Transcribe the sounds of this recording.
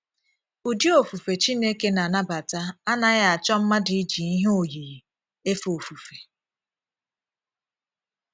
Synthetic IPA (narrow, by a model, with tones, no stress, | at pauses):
u˨di˦o˨fu˨fe˨t͡ʃi˦ne˦ke˦na˨na˦ba˨ta˦a˦na˦ɣa˨t͡ʃɔ˦m̩˦ma˦di˨˦d͡ʒi˨i˦ɦo˨ji˨ji˨ | e˦fo˨fu˨fe˨